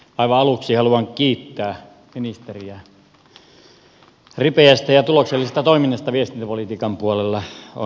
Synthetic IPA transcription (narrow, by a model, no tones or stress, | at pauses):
ɑˑiʋɑɑluksihɑluɑŋkiːt̪ːæː | minist̪eriæ | ripeæst̪æjɑt̪ulokselːisest̪æt̪oiminːɑst̪ɑʋiest̪int̪æpolit̪iːkɑmpuolelːɑo̰